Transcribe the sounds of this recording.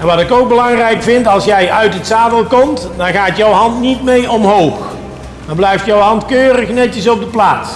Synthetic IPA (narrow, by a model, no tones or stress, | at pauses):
ɛnʋɑtɪkowk̚bəlɑŋrɛjkfɪntɑlˠsjɛjœɥtətsaːdəlˠkɔmtdɑnɣaːtjəwɦɑntnitmejɔmɦowx | dɑnblɛjftjəwɦɑntkøːrəχnɛtəsɔb̚dəplaːts